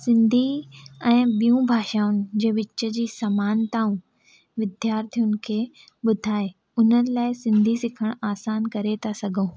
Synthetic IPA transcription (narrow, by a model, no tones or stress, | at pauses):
sɪ̃nd̪ʱiɛ̃ːɓijũbʱaːʃaːʊnɪ̆d͡ʑẽːʋɪt͡ɕːə̆d͡ʑiːsɐmaːnt̪aːũ | ʋɪd̪ʱjaːɾt̪ʰijʊnɪ̆kʰeː | ɓʊd̪ʱaːe | ʊnənɪ̆laːɪsɪ̃nd̪ʱisɪkʰəɽ̃aːsaːnkɐɾet̪ʰasɐɡʱõː